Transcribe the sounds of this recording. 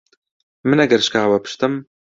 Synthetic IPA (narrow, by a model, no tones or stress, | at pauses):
mɨnɛɡɐɾʃkaːwɐpʰɨ̥ʃt̪ɨm